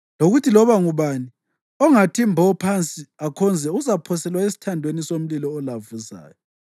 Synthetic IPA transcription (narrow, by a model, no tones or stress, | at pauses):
loɣutʰilɔβaŋuβani | ɔŋatʰimbʱɔpʰant͡sʼiakʰɔnd͡zʱɛuzapʰɔsɛlwaesi̥tʰandʱwenisom̩lilɔːlavuza̰ːjɔ